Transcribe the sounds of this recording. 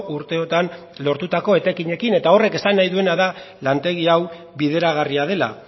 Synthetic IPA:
ʔuɾt̪e̞o̞t̪an | lo̞ɾt̪ut̪ako̞e̞t̪akiɲe̞kine̞t̪ao̞re̞ke̞sanːajðue̞naða | lant̪e̞ɣ̞iaw | βiðe̞ɾaɣ̞ariaðe̞la̰

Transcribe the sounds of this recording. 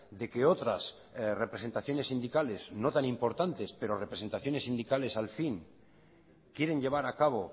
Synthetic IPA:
d̪e̞ke̞o̞t̪ɾas | re̞pɾe̞se̞nt̪aθjo̞nesːind̪ikale̞zno̞t̪anĩmpo̞ɾt̪ant̪e̞spe̞ɾo̞re̞pɾese̞nt̪aθjo̞ne̞sːind̪ikale̞salfiŋ | kje̞ɾe̞nʎe̞β̞aɾakaβ̞o̞

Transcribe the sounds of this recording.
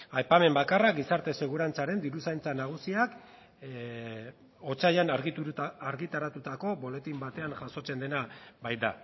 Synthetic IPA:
ajpame̞mbakarakɡisaɾt̪e̞se̞ɣ̞uɾant͡saɾe̞nd̪iɾusajnt͡sanaɣ̞usiak | o̞t͡sajanaɾɣiuaɾɣit̪aɾat̪ut̪ako̞bo̞le̞t̪imbat̪e̞aŋʝaso̞t͡se̞nd̪e̞nabajd̪a

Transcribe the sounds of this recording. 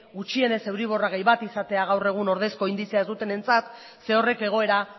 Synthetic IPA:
ɣut͡ʃie̞ne̞se̞wɾiβ̞o̞raɣejβat̪isat̪e̞aɣ̞awre̞ɣ̞uno̞ɾð̞e̞sko̞ind̪isiaezd̪ut̪e̞ne̞nt͡sat̪ | se̞o̞re̞ke̞ɣ̞o̞e̞ɾa

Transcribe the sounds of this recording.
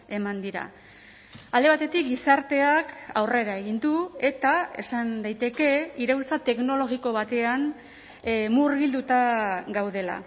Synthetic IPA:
e̞mand̪iɾa̰ | ald̪e̞β̞at̪e̞t̪ikɡisaɾt̪e̞aka̰wre̞ɾae̞ɣ̞ind̪ue̞t̪ae̞sand̪ajt̪e̞ke̞iɾewlt͡sat̪e̞kno̞lo̞ɣiko̞βat̪e̞an | murɣild̪ut̪aɡawðe̞la̰

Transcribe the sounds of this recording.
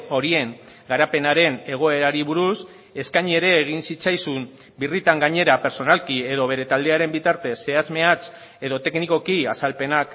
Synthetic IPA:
o̞ɾie̞ŋ | ɡaɾape̞naɾe̞ne̞ɣ̞o̞e̞ɾaɾiβuɾus | e̞skaɲie̞ɾe̞ːɣ̞insit͡sajsum | birit̪aŋɡaɲe̞ɾape̞ɾso̞nalkie̞ðo̞βe̞ɾe̞t̪ald̪e̞aɾe̞mbit̪aɾt̪e̞se̞azme̞at͡s | e̞ðo̞t̪e̞kniko̞kiasalpe̞nak

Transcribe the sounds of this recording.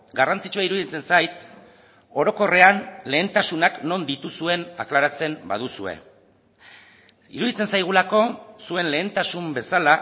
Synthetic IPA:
ɡarant͡sit͡ʃuaiɾuðit͡se̞nsajt̪ | o̞ɾo̞ko̞re̞anle̞ːnt̪asunakno̞nd̪it̪usue̞na̰klaɾat͡se̞mba̰ðusue̞̰ | ḭɾuðit͡se̞nsajɣ̞ulako̞sue̞nle̞ːnt̪asumbe̞sala

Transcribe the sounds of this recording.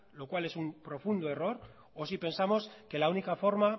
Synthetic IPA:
lo̞kwale̞sumpɾo̞fund̪oe̞ro̞ɾ | osipe̞nsamo̞ske̞launikafo̞ɾma

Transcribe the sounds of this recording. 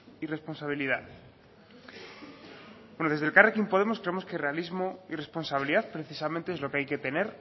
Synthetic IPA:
ire̞spo̞nsaβ̞iliðað | benoðe̞zðelkarekimpo̞ðemo̞skɾeemo̞skere̞alizmo̞ire̞spo̞nsaβiliðaðpɾeθisamẽnt̪eezlo̞keajke̞t̪e̞ne̞ɾ

